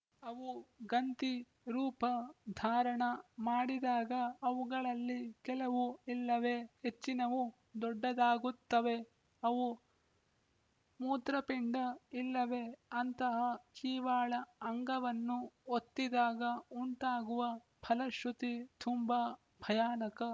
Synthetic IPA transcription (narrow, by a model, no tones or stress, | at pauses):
ɐʋuɡɐnt̪i | ɾuːpɐd̪ʱaːɾɐɳɐmaːɽid̪aːɡɐɐʋuɡɐɭɐlːikɛlɐʋuilːɐʋe̞het͡ʃːinɐʋu | d̪ɔɖːɐd̪aːɡut̪ːɐʋe̞ | ɐʋu | muːt̪ɾɐpiɳɖɐilːɐʋe̞ɐnt̪ɐɦɐkiːʋaːɭɐɐŋɡɐʋɐnːuot̪ːid̪aːɡɐuɳʈaːɡuʋɐ | pʰɐlɐʃut̪it̪ʰumba | bʱɐjaːnɐkɐ